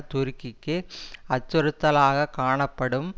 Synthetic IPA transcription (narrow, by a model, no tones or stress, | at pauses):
t̪ʊɾɯkːɪkːɯɐt͡ʃːɔɾɯt̪ːɐlaːɣɐkaːɳɐpːɐɽɯm